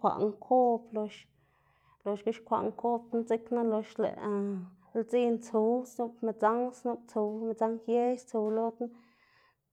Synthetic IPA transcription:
kʷa̰˨ʔŋkʰo˦plo˧ʃ | lo˧ʃɡu˦ʃkʷa̰˨ʔŋko˦p̪na˦t͡si˦kna˦lo˧ʃlḛ˨ | lt͡si˦˧nt͡su˨˧wsnu˦bme˧t͡sa˦ŋsnu˦b̚t͡su˨˧me˧t͡sa˦ŋje˦jst͡su˧wlo˦t̪a˦

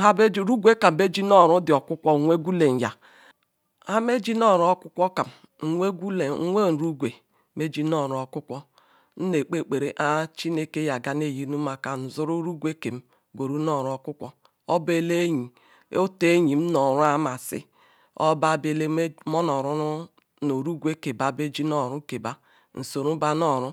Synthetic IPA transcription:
ɦa˦be˦ɾu˦ɡʷe˦ka˨m˨be˦d͡ʒi˦nɔ˦˨ɾʊ˦dɪ˨ɔ˨kʷʊ˦kʷɔ˦˨ŋʷe˦ɡʷu˦le˨n̩˨ja˨ | a˦me˦d͡ʒi˦nɔ˦˨ɾɔ˦kʷʊ˦kʷɔ˦ka˨m̩˨ | ŋʷe˦ɡʷu˦le˨˦ŋʷe˦˨n̩˨ɾu˦ɡʷe˨ | me˦d͡ʒi˦nɔ˦˨ɾɔ˨kʷʊ˦kʷɔ˦ | n̩˦ne˨k͡pe˦k͡pe˨ɾe˨ʔa˦t͡ʃi˦ne˦ke˦ja˨ɡa˨ne˦˨ji˦nu˦ma˨ka˨n̩˨zʊ˦ɾu˦ɾu˦ɡʷe˦ke˨m̩˦ | ɡʷo˨ɾu˦nɔ˦˨ɾɔ˦kʷʊ˦kʷɔ˦ | ɔ˦be˦le˦ɲi˨ | o˦te˦ɲi˨m̩˦nɔ˨ɾʊ˦a˦ma˨sɪ̰˦ | ɔ̰˦ba˦˨be˨le˦mɔ˦nɔ˨ɾʊ˦nʊ˦ | no˨ɾu˦ɡʷe˦ke˨ba˦˨be˦d͡ʒi˦nɔ˦˨ɾʊ˦ke˨ba˦ | n̩˨so˨ɾu˦ba˦nɔ˦˨ɾʊ˦

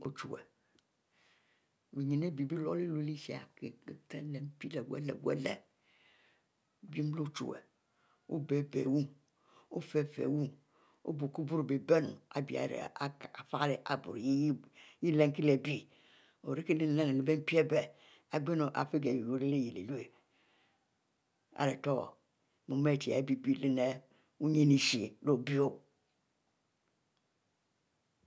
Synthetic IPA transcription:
o̰˨t͡ʃu˨ɛ̰˨ | e˨ɲi˨ne˦bi˨bi˦lɔ̰˦le˦lo˨˦li˦ʃi˨a̰˨ke˨˦tɛ˦lɛ˨m˦pi˦lɛ˨wɛ̰˦lɛ̰˨wu˦ɛ̰˦lɛ̰˨ | bi˦m˦lo˦t͡ʃṵ˨wɛ̰˨ | o̰˦be˦bɛ̰˨wu˦ | o˦fɛ˦fɛ̰˨wu˦ | o̰˦bo˨ku˦bu˦ɾo˨be˨bɛ˦nṵ̃˨a̰˨bi˨a̰˨ɾḛ˨a˨˦˨a˨fa˦le˨ʔa˨bṵ˨ɾje˦ji˦ji˦le˦ŋ˦ki˦le˨bi˦ | o˨ɾi˦ki˦le˦n˨la˦ne˨le˨˦be˦m˦pi˦e˦be˨ | a˨ɡ͡be˦no˨ʔa̰˨fe˦ɡe˨bi˨o˨˦ɾe˦le˦ji˨lḛ˨lu˦e˨ | a̰˨ɾe˨to̰˦˨ | mu˨me˦˨ti˨a̰˨˦bi˦bi˦˨le˦ne˦ | u˦ɲe˦ni˦ʃi˨lo˦˨bi˦o˦

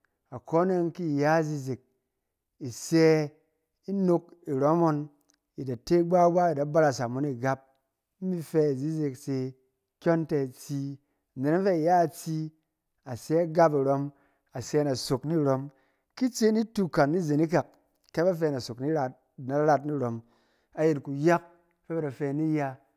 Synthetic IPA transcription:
a˨ko˦ne˦nki˦˨ja˦˨zi˦zi˨k̚ | i˨sɛ˧ | i˦no˧k̚i˨ɾo˦mo˧n | i˨da˨te˦i˦ɡ͡ba˦ɡa˦i˨da˨˦ba˦ɾa˨sa˨mu˦ni˨ɡa˦p̩̚˦ | mi˦fɛ˧˨zi˦zi˧kse˧ | kʲo˦nte˧˨t͡si˧˨ | ne˨na˦fe˦i˨ja˦˨t͡si˧ | a˨se˦a˦ɡa˦p̬i˨ɾo˧m | a˨se˧˦na˨so˨kni˦˨ɾo˧m | ki˦t͡se˦ni˦tu˦ka˨nːi˦ze˨ni˦k̬a˨kː | e˦ba˦f̬ɛ˧˨na˨so˨kni˦ɾa˨ | na˨˦ɾa˦tni˦ɾo˨m | a˨je˨tku˨ja˦k̚ | fe˦ba˦da˨fɛ˧˦ni˦ja˧

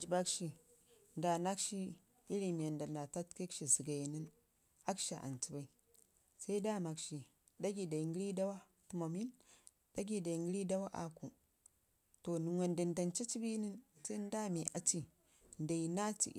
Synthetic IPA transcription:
d͡ʒi˨ba˦kʃi˨ | nda˨na˦kʃi˦ | i˦ɾi˨mi˨a˨nda˨na˨ta˦tke˦kʃi˨si˨ɡa˨ji˨ni˦n | a˦kʃa˨ʔa̰˨nti˦ba˦i˨ | sa˦i˦da˦˨ma˨kʃi˨ | da˦ɡi˨da˨i˨ŋɡi˦ɾi˦da˦wa˦ | tu˨mo˨mi˦n | d̥a˦ɡi˦˨da˨ŋɡi˦ɾi˦da˦wa˦ʔa˨ku˨ | to˨nu˨ŋwe˨nda˨nda˨nt͡ʃa˦t͡ʃi˦bi˦ni˦nsa˦n˦da˦mi˨ʔa˨ti˨ | n˨da˨ji˨na˦tḭ˨˦

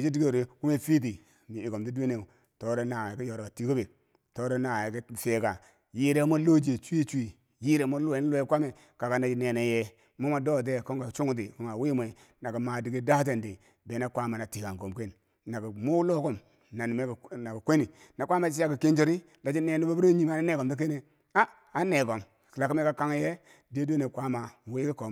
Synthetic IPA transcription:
i˨d͡ʒi˦di˦ɡe˦˨ɾe˦ku˦me˦fi˦t̬i˨ | mi˨i˨ko˨mti˦de˦ne˦˨ | to˨˦ɾo˦na˨ki˦jo˨ɾo˨ka˨ti˨ko˦be˨ | to˦ɾo˦na˨e˨ki˦˨feː˨ka˨ | ji˦ɾe˦mo˦lo˦d͡ʒe˨t͡ʃu˦i˦t͡ʃi˨ | ji˦ɾe˨˦mo˦lu˦˨e˨˦n˦lo˦kʷa˦me˨ | ka˨ka˨na˨d͡ʒi˦ne˨ne˨je˦ | mo˦ma˨do˦˨t̬e˦ko˦ŋ˦a˨t͡ʃu˦ŋu˦t̬i˨ko˦ŋa˨wi˦m˨e˨ | na˨ɡi˨ma˨di˨ɡi˦da˦t̬e˨ndi˨ | be˨˦na˦kʷa˦ma˨na˨ti˨ka˨ŋɡo˨mke˦n | na˨ɡi˨mu˦lo˦ko˦m | na˨ni˨me˦˨na˨ki˨kʷe˦ni˨ | na˨kʷa˦ma˨t͡ʃi˦a˦˨ki˨ke˦nd͡ʒi˦ɾi˦ | da˨d͡ʒi˦ne˨ni˦ba˦bu˦ɾo˦ɲi˦ma˨na˦ne˨ɡo˨mdi˦k̬e˦ne˨ | a˦ | a˦ne˨ɡo˨m˨kla˨ki˦me˦ka˨ka˦ŋ˦je˦ | de˦do˦ne˨kʷa˦ma˨we˦ki˦ko˨

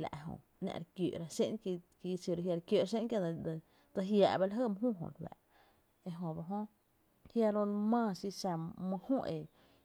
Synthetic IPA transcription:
la̰˨ʔɦõ̰˧˨ | nã̰˧˨ɾkj̰ʔɾa˧sḛ˦ŋ˧ki˧si˧˨ɾhja˧ɾkjo˧˨ɾs̬e˦ŋkja˦˧d̪d̪ | d̪ə˧ɦjaː˨ʔba˧la˦ɦə˦˨mə̃˦ɦũː˦˨ɦõ̰˧˨lwa̰ː˨ | e˧ɦõ˧˨ba˧˨ɦõ˦ | hja˧ɾõ˧mãː˦˧˨si˧sa˧mə̃˧hũ˦˨ʔe˨

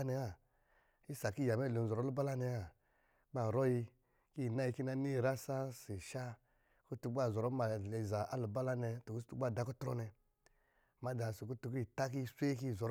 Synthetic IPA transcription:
nɛ˧a˨ | i˦sa˨ki˦ja˨mɛ˦˨lo˨zɔ˨ɾɔ˦lu˦ba˦la˦nɛ˨a˦˨ | ɡ͡ba˨ɾɔ˦ji˧ | ki˦˨na˦ji˧ki˦na˦ni˦˨ɾa˦sa˦si˨ʃa˦ | ku˦tu˧ɡ͡ba˦˨zɔ˨ɾɔ˦ma˨lɛ˨za˨ʔa˦lu˨ba˦la˦nɛ˧tu˨ku˦stu˦ɡ͡ba˦˨da˧˨kɔ˦tɾɔ̰˦nɛ˧ | ma˦da˨su˨ku˦tu˧ki˦i˨ta˦k̬i˦sʷe˦ki˦˨zɔ˨ɾ

